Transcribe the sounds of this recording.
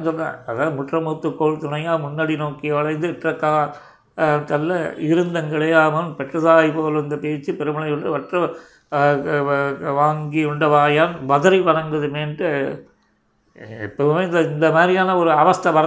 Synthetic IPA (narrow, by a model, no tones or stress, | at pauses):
nsɔna̰ːɐðaːðɯmʊʈrɐmuːt̪ːɯkːoːɭt̪ʊnɐjaːmʊnːɐɽinoːkɪjɐʋɐɭɐɪnd̪ɯɪʈrɐkːaː | t̪ɐlːɐɪɾɯnd̪ɐŋɡɐɭɐjaːmɐpɛʈrɐsaːjpoːlɐɪnd̪ɐpeːt͡ʃːɯpɛɾɯmɐɭɐjɯɭɖɯʋɐʈrɐ | ʋaːŋɡiɯɳɖɐʋaːjaːnʋɐðɐɾipɐɳɐŋɡɐðɯmeːnʈɯ | ɛ̰pːɐmeːɪnd̪ɐɪnd̪ɐmaːd̪ɾɪjaːnɐɔɾɯɐʋɐst̪ɐʋɐɾɐ